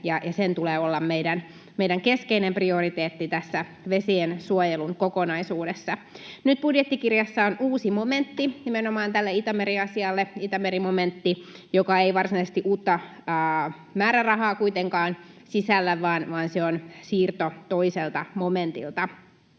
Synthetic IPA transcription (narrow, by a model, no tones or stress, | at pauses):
jɑjɑsent̪uleːolːɑmmeidæn | mejdæŋkeskeinempriorit̪eːt̪ːit̪æsːæ | ʋesiensuojeluŋkokonɑisuːdesːɑnyt̪̚b̥udjet̪ːikirjɑsːɑonuːsimoment̪ːinimenomɑːnt̪ælːeit̪ɑmeɾiɑsiɑlːeit̪ɑmeɾimoment̪ːi | jokɑeiʋɑrsinɑisest̪iʔuːt̪ːɑː | mæːɾærɑɦɑːkuit̪eŋkɑːn | sisælːæʋɑːnʋɑːnseonsiːrt̪ot̪oiselt̪ɑmoment̪ḭlt̪ɑ